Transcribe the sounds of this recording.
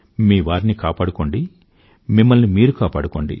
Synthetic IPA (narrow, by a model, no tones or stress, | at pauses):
miːʋaːɾinikaːpaːɽuko̞ɳɖi | mimːɐlnimiːɾukaːpaːɽuko̞ːɳɖḭ